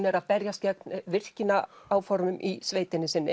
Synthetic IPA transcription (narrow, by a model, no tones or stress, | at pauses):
nɛɾaðpɛɾjascɛknvɪr̥cɪnaaːwfɔɾmʏmʔisveːjt̪ɪnːɪsɪnːɪ